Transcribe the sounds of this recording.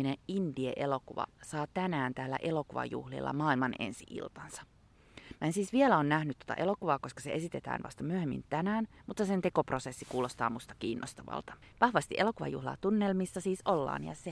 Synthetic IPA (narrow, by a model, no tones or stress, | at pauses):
ineindiḛʔelo̞kuʋɑ̰sɑːt̪ænæːnt̪æːlːæ̰ʔelo̞kuʋɑ̰jṵhlḭlːɑ̰mɑːilmɑnḛnsiʔḭlt̪ɑnsɑ̥ | mæensiːsʋielæoːnnæhnyt̪ːot̪ɑ̰ʔe̞lo̞kuʋɑːko̞skɑseʔe̞sit̪et̪æ̰ːnʋɑ̰st̪ɑmyøhemːḭnt̪ænæːnmut̪ːɑsent̪eko̞pro̞sesːikuːlo̞st̪ɑ̰ːmust̪ɑ̥kiːnːost̪ɑʋɑ̰lt̪ɑ̥ | ʋɑhʋɑst̪iʔelo̞kuʋɑ̰jṵhlɑ̰ːt̪unːelmisːɑsiːsolːɑ̰ːnjɑ̰se